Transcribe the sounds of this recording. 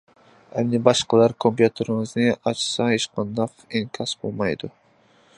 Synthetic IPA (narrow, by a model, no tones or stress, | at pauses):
ɛmnɪbɑʃqɑlˠɑɾkʰompjut̪ʰeɾɪŋɨznɪɑt͡ʃʰsɑeʃqɑnd̪ɑqeŋkʲʰɑsbolˠmɑjd̪u